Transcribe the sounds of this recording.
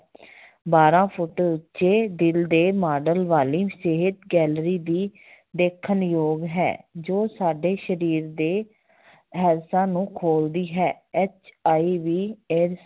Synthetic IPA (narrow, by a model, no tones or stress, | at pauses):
baːɾãːpʰʊʈːɾʊtːʃeːd̪ɪld̪eːmaːɖəlʋaːliːseɦɪt̪ɡɛːlɾiːd̪iː | d̪eːkʰːənjoːɡɦɛ̰ːd͡ʒoːsaːɖeːʃəɾiːɾd̪eː | ɦɛːɾsãːnũːkʰoːld̪iːɦɛː | ɛːt͡ʃaːiːʋiːeːɾs